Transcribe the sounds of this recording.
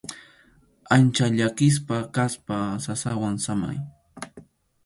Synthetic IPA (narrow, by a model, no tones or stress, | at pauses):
ant͡ʃaʎakɪs̬pakaspasasawaŋsama̰j